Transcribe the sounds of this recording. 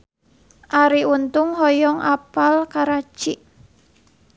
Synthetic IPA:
ʔaɾiunt̪ʊŋɦɔjɔŋʔapalkaɾat͡ʃiʔ

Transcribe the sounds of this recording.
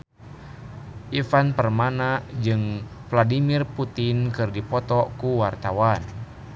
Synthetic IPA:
ʔifanpərmanad͡ʒɨŋvladimirput̪inkɨrdipɔt̪ɔkuwart̪awan

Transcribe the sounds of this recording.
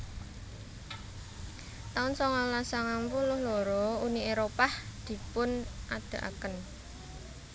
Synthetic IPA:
t̪aʊnsɔŋɔlasaŋampulʊhloɾɔunieɾopahd̪̥i̤pʊnʔad̪̥a̤ʔa̰kən

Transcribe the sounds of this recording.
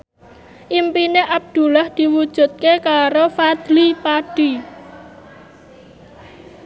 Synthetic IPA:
ʔimpineʔab̚d̪̥ṳlahd̪̥i̤wud̥ʒ̥ṳt̪̚kekaɾofad̪̥lipaɖ̥i

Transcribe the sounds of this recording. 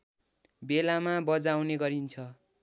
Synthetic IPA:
belamabʌd͡zawneɡʌɾint͡sʰʌ

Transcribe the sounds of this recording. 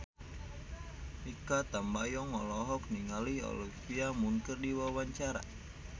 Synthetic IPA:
ikat̪ambajɔŋɔlɔɦɔk̚niŋaliɔ̰lipiamuŋkərdiwawaɲt͡ʃaɾa̰

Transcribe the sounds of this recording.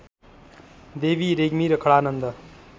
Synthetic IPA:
d̪eːʋiːɾeɡmiɾʌkʰəɭaːnənd̪ə

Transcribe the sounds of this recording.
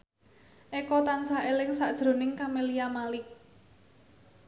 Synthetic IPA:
ʔekɔt̪ansaelɪŋsaʔd̥ʒ̥ɾo̤nɪŋkameliamalɪk̚

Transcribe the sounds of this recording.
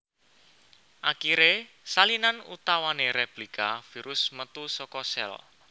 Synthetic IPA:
ʔakiɾe | salinanṵt̪awaneɾeplikafiɾʊsmət̪usɔkɔsɛ̰l

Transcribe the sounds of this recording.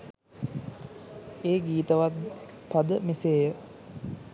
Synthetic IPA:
eːɡiːt̪əʋat̪pad̪əmeseːjə

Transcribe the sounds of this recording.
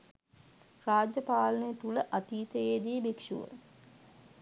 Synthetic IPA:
raːd͡ʒjəpaːlənəjət̪uləʔat̪iːt̪əeːd̪ijəbikʂṵʋə̰

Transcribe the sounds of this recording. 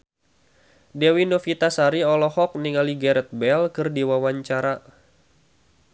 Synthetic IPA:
dɛwinofit̪asaɾiɔlɔhɔk̚niŋaliɡɛɾɛt̪̚bɛlkɨrdiwawaɲt͡ʃaɾa

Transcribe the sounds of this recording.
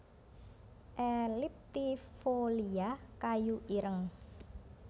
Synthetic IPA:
ʔɛlɪp̚t̪ifoliakajuʔiɾəŋ

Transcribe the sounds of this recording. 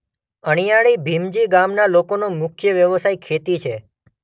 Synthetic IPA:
əɽ̃ijaɭibʱimd͡ʒiɡamnalokonomʊkʰjəʋjəʋsajkʰet̪it͡ʃʰe

